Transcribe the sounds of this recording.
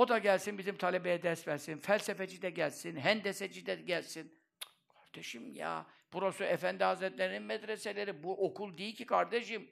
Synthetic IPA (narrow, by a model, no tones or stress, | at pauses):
o̞d̪aɟælʲsinbizimt̪ʰalʲebejɛd̪ɛst̪mɛsinfælʲsɛfed͡ʒid̪ɛɟælʲsinɦænd̪ɛsɛd͡ʒid̪ɛɟælʲsin | kʰḁɾd̪̥eʃɯmja̰ːb̥uɾasuɛfænd̪iɦazɾɛt̪lʲeɾininmɛd̪ɾeselʲeɾibuʔokʰulˠd̪ijilʲcʰikʰaɾd̪eʃɯm